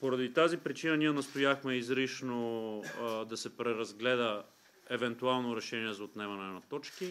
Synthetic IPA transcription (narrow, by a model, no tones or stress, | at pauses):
poɾɐd̪it̪azipɾit͡ʃinɐniɛnɐst̪ojaxmɛizɾiʃno | d̪ɐsɛpɾɛɾɐzɡlɛd̪ə | ɛvɛnt̪ualˠnoɾɛʃɛniɛzot̪nɛvɐnɛnɐt̪ɔt͡ʃki